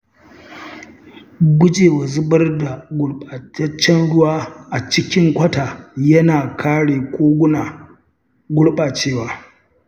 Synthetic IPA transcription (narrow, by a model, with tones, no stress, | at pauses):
ɡʷʊ˦d͡ʒeː˨wa˨zʊ˦bɐ˦rda˨ɡʷʊ˦ɽa˨t͡ʃɐ˦t͡ʃːɛ˦nɽʊ˦waː˦ʔa˨t͡ʃɪ˦kʲɪ˦ŋkʷɐ˦taː˨jɐ˦naː˨kʰaː˦ɽeː˨kʷʰoː˦ɡʷʊ˦naː˨ | ɡʷʊ˦ɽɓaː˨t͡ʃeː˦waː˨